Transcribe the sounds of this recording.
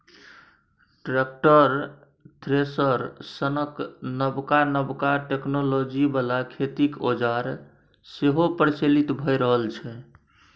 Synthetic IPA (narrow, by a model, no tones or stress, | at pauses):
ʈɾek̚ʈəɾ | t̪ʰɾesəɾsənəknəbkanəbkaʈeknolod͡ʒibalakʰet̪ikod͡ʒaɾ | seɦopəɾt͡ʃelit̪bʱəjɾəɦəlt͡ʃʰɛ